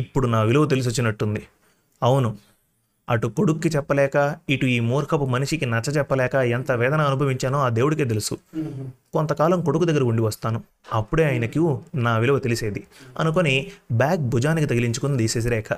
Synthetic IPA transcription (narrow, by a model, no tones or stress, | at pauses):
ipːuɽunaːʋilɐʋɐt̪̬e̞lis̬ot͡ʃːinɐʈːund̪i | ɐwunu | ɐʈuko̞ɽukuːit͡ʃɛpːɐlɛːkɐiʈuiːmuːɾkʰɐpumɐniʂikinɐt͡ʃːɐt͡ʃɛpːɐlɛːkɐent̪ɐʋɛːd̪ɐnɐːnubʱɐʋiɲt͡ʃaːnoːaːd̪e̞ːwuɽikeːt̪̬elusu | kont̪ɐkaːlɐmko̞ɽukud̪ɐɡːɐɾɐuɳɖiʋɐst̪aːnu | ɐpːuɽe̞ːaːjɐnɐkunaːʋilɐʋut̪e̞lise̞ːd̪iɐ̰nuk̬onibaːk̚bʱud͡ʒaːnikit̪ɐɡiliɲt͡ʃukund̪iːseːs̬ilɛːkɐ